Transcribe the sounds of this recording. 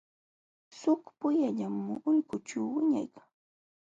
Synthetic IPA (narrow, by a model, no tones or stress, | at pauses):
sʊkpʊjaʎamːʊʊʎkʊt͡ʃawwɪɲa̰jkḁŋ